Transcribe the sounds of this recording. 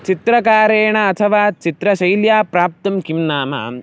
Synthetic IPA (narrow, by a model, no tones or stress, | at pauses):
t͡ʃit̪ɾɐkaːɾeːɳɐːt̪ʰɐʋaːt͡ʃit̪ɾɐʃɐjljaːpɾaːp̚t̪ɐmkimnaːmɐ̰